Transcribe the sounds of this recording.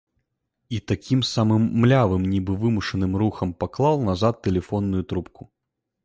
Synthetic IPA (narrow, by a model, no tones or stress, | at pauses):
it̪akʲimsamɨmːlʲavɨmnʲibɨvɨmuʂɐnɨmɾuxɐmpaklˠalˠnazat̪ːɛlʲɛfɔnːujut̪ɾup̚ku̥